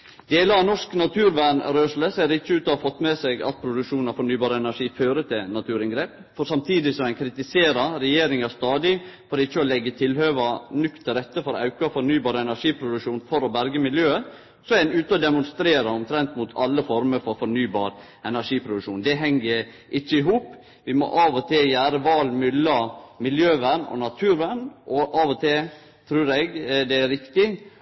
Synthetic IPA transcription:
d̪eːləɑʋnɔʂknɑt̪ʰʉːɾʋæːɳɾøːʂləseːɾɪçːəʉːt̪ɔhɑɾfɔt̪ːmɛsɛɡɑ̰t̪̚pʰɾʊd̪ʉʂuːnɑfɔɳnyːbɑːɾəɛnæʂiːføːɾət̪ʰɪlnɑt̪ʰʉːɾɪŋɡɾeːp | fɔɾsɑmt̪ʰiːd̪ɪsɔmæɪnkʰɾɪt̪ɪseːɾɑɾɛjeːɾɪŋɑst̪ɑːd̪ɪfɔɾɪçːəɔlɛɡːət̪ʰɪlhøːʋɑnʏkt̪ʰːɪɾɛt̪ːəfɔɾɑʉkɑfɔɾnyːbɑːɾəɛnæʂiːpʰɾʊd̪ʉʂuːnfɔɾɔbæɾɡəmɪljøːə | sɔænʉːt̪əɔd̪ɛmʊnst̪ɾeːɾɑɔmt̪ʰɾɛnt̪mʊt̪ʰɑlːəfɔɾməɾfɔɾfɔɾnyːbɑːɾ | ɛnæʂiːpʰɾʊd̪ʉʂuːnd̪ɛɦɛŋɡə | ʔɪçːəɪɦuːp | ʋɪmɔ̰ʔɑːʋɔt̪ʰɛjæːɾəʋɑːlmʏlːɑmɪljøːʋæɳɔ̰nɑt̪ʰʉːɾʋæɳʔɔʔɑːʋɔt̪ʰɪ | t̪ʰɾʉːɾɛɡd̪ɛæɾɪkt̪ɪ

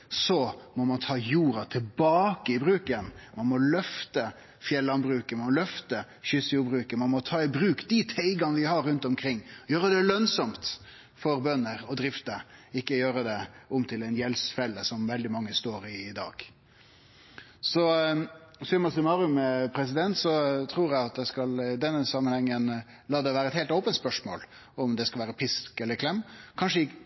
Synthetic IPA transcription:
sɔmɔmɑnt̪ʰɑːjuːɾɑt̪ʰɪlbɑːkəɪbɾʉːkənmɑnmɔlœft̪ə | fjɛlːɑnbɾʉːkəmɑmɔlœft̪ə | ɕʏsjuːbɾʉːkəmɑnmɔt̪ʰɑːɪbɾʉːkd̪ɪt̪ʰæɪɡɑnəʋɪhɑɾɾʉnt̪ɔmkʰɾɪŋːjøːɾəd̪ɛlœnsɔmt̪ | fɔɾbœnːəɾɔd̪ɾɪft̪əɪkːəjøːɾəd̪ɛʊmt̪ʰɪlɛɪnjɛlsfɛlːəsɔmʋɛld̪ɪmɑŋːəst̪oːɾɪd̪ɑ̰ːɡ̥ | sɔ | sʏmɑsɪmɑɾʉmpʰɾɛs̬ɪd̪ɛnt̪sɔt̪ʰɾuːɾæɪɑt̪̚d̪ɛskɑlɪd̪ɛnːəsɑmənhɛŋːən | lɑːd̪ɛʋæːɾəɛt̪hɛɪlt̪oʊpənt̪spœʂmo̰ːl | ɔmd̪ɛskɑlʋæːɾəpʰɪskɛlːəɾkʰlɛmːkʰɑnʂəɪ

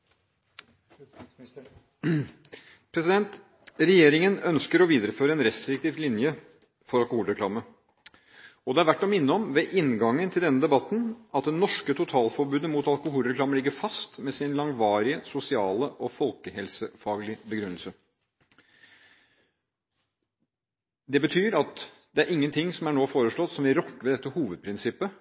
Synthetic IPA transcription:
pʰɾɛsɪd̪ɛnt̪ | ɾɛjeːɾɪŋənœnskəɾɔʋiːd̪əɾəføːɾəɛnɾɛst̪ɾɪk̚t̪ʰiːʋlɪnjə | fɔɾɑlˠkʊhuːlɾɛkʰlɑːmə | ɔd̪ɛæɾʋæʈːɔmɪnːəɔmʋɛːʔɪnɡɑŋːənt̪ʰɪld̪ɛnːəd̪ɛbɑt̪ːn̩ʔɑt̪̚d̪ɛnːɔʂkət̪ʰʊt̪ʰɑːlfɔɾbʉːd̪əmut̪ɑlkʊhuːlɾɛkʰlɑːməlɪɡːəɾfɑst̪mɛsɪnlɑŋʋɑːɾɪəsʊsɪɑːləʔɔfɔlkəhɛlsəfɑːɡlɪbəɡɾʉnəlsə | d̪ɛbət̪ʰyːɾɑt̪ | d̪̥ɛæɾʔɪŋːənt̪ʰɪŋsɔmæɳoːfoːɾəʂɭɔt̪ːsɔmɪɾɔkːəʋɛd̪ɛt̪ːəhuːʋəd̪̚pʰɾɪnsɪpːə

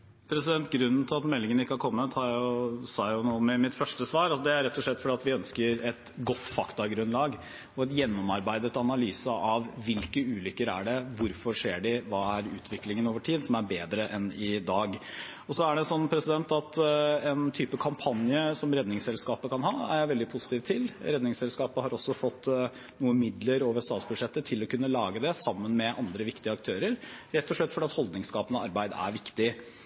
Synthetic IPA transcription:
pʰɾɛsɪd̪ɛnt̪ɡɾʉnːn̩t̪ʰɪlɑt̪mɛlːɪŋənəɪkːəhɑɾkʰɔmːət̪hɑɾjʊsɑjʊnuːəmɛmɪt̪fœʂʈəsʋɑːɾɑsɔd̪ɛæɾɛt̪ːɔʂlɛt̪ːfɔɖɛːɑt̪ʋɪœnskəɾɛt̪ɡɔt̪ːfɑkt̪ɑɡɾʉnlɑːɡ | ɔɛt̪jɛnːɔmɑɾbæɪd̪ət̪ɑnɑlyːsɑʔɑʋʋɪlkəʉːlʏkːəɾæ̰ɖɛʋʊɾfɔʂeːɖɪʋɑːæɾʉ̰ːt̪ʰʋɪklɪŋənoːʋəʈʰiːd̪sɔmæɾbeːd̪ɾəʔɛnɪd̪ɑːɡ | ɔsɔæɖɛnsɔnːpʰɾɛsɪd̪ɛnt̪ɑt̪ɛnt̪ʰyːpəkʰɑmpʰɑnjəsɔmɾɛd̪nɪŋsɛlskɑːpəkʰɑnɦɑːæ̰jæʋɛld̪ɪpʰusɪ̥t̪iːʋt̪ʰɪlɾɛd̪nɪŋsɛlskɑːpəhɑɾɔsːɔfɔt̪ː | nuːəmɪd̪ləɾoːʋəʂst̪ɑːt̪sbʉd̪ʂɛt̪ːət̪ʰɪlɔkʉnːəlɑːɡəd̪ɛsɑmːənmɛʔɑnd̪ɾəʋɪkt̪ɪəɑk̚t̪ʰøːɾəɾɾɛt̪ːɔʂɭɛt̪ːfɔɖɛːɑt̪hɔld̪nɪŋskɑːpənəɑɾbæɪd̪æ̰ɾʋɪkt̪ɪ

